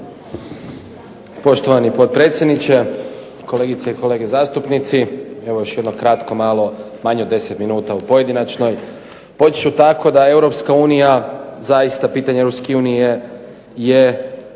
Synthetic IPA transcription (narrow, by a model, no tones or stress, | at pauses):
po̞ʃt̪o̞ʋanipo̞t̪̚pɾe̞ːt̪sʲjed̪nit͡ɕe̞ | ko̞leɡit̪seiko̞le̞ːɡezaːst̪upnit̪sie̞ʋo̞jo̞ʃjed̪nokɾat̪kʰo̞malˠo̞ | maɲod̪e̞set̪minuːt̪aupo̞je̞d̪inat͡ʃno̞j | po̞i̥t͡ʃut̪akʰo̞d̪ae̞wɾo̞pskauːnijazajist̪apiːt̪aɲeɾopskeuːnije | je